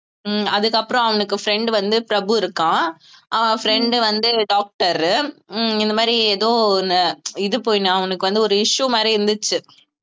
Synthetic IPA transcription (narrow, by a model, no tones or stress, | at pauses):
ɐðɯkːɐpːɯɾɔ̃ɐʋɐnɯkːɯfɾɛɳɖɯʋɐnd̪ɯpɪɾɐbɯɪɾɯkːãː | ʔaʋfɾɛɳɖɯʋɐnd̪ɯɖaːk̚ʈɐɾ | ɪnd̪ɐmaːd̪ɾieðoːnɐɪðɯpoːjnaːɐʋɐnɯkːɯʋɐnd̪ɯɔɾɯɪʂumaːd̪ɾiɪɾnd̪ɯt͡ʃːɯ